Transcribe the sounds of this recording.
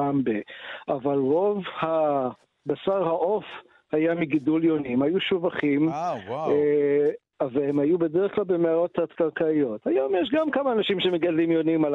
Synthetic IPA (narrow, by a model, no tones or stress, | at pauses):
ambeʔavalʁo̞vha | basaʁhaʔo̞f | hajamiɡiduljo̞nimhajuʃuvaχim | avaemhajubedeʁəχklalbemeaʁo̞t̪hat̪kaʁkaijo̞t̪ajo̞mjɛʃɡamkamaːnaʃimʃemeɡadlimjo̞nimal